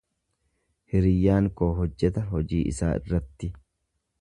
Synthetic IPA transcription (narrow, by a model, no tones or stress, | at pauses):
hɪɾɪjːaːŋkoːɦɔd͡ʒːɛt̪ɐɦɔd͡ʒiːʔɪ̰saːʔɪ̰rːɐt̪ːɪ